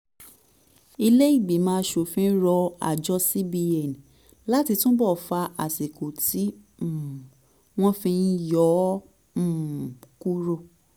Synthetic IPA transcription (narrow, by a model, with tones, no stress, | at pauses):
i˧le˦i˦˨ɡ͡bi˨˦mãː˨˦˧ʃo˨fĩ˧˦ɾɔ˧a̰˨d͡ʒɔ˦si˦bi˧ɛ˨n˨ | la˦ti˧tũ˦bɔ˦˨fa˧ʔa˨si˨ko˨ti˨˦˨ | w̃ɔ̃˦fĩ˧n˦jɔ̃˨˦˨ | ku˦ɾo˧˨